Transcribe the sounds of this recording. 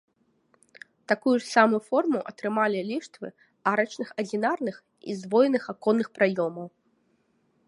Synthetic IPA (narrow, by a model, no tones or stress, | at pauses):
t̪akujuʂsamujufɔrmuʔɐt̪ɾɨmalʲilʲiʂt̪vɨ̰ | aɾɐt͡ʃnɨxɐd͡zʲinarnɨx | ḭzd̪vɔjʲnɨxakɔnːɨxpɾajɔmɐw